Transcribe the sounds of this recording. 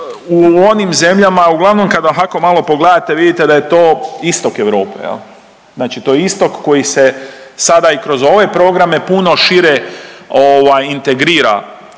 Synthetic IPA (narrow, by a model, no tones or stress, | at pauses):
uonimze̞mʎamauɡlˠaʋno̞mkad̪aɦakomalo̞po̞ɡled̪at̪e̞ʋid̪it̪e̞d̪aje̞t̪o̞ːist̪o̞keʋɾo̞̰ːpḛjḛl | znaːt͡ʃit̪oːjeist̪o̞kːo̞jise̞sad̪aikɾo̞zo̞ʋe̞pɾo̞ːɡɾame̞puno̞ʃiɾeoʋajint̪e̞ɡɾiːɾa̰